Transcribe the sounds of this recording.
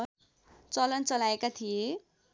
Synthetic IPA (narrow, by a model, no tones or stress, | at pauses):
t͡sʌlʌnt͡sʌlaekat̪ʰije